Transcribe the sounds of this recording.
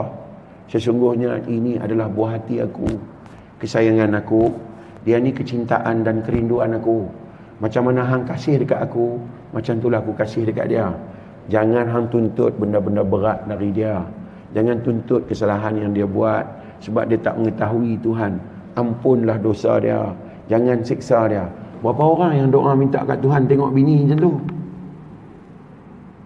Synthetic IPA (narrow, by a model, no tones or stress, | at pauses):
səsuŋɡʊhɲaʔinia̰dalahbuahɦat̪ia̰ku | kəsajaŋanaku | dianikət͡ʃint̪aʔandankəɾinduanaku | mat͡ʃamːanaɦaŋkasɪhdəkat̪aku | mat͡ʃamt̪ulahakukasɪhdəka̰ʔdia | d͡ʒaŋanɦaŋt̪unt̪ʊt̪̚bəndabəndabəɾat̪̚daɾidia | d͡ʒaŋant̪unt̪ʊt̪̚kəsalaɦanjaŋdiabuat̪̚ | səbap̚diat̪a̰ʔməŋət̪aɦuit̪uɦan | ampʊnlahdosa̰dḭa̰ | d͡ʒaŋansik̚sadiabapaoɾaŋjaŋdoʔamint̪a̰ʔka̰ʔt̪uɦant̪eŋɔ̰ʔbiniɲanlu